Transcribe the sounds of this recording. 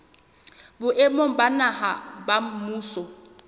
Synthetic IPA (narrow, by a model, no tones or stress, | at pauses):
bʊʔemoŋ̩banahabam̩muːsɔ